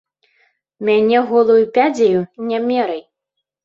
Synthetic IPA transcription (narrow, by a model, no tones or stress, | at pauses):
mʲanʲɛɣɔlˠujupʲad͡zʲejunʲamʲɛɾɐj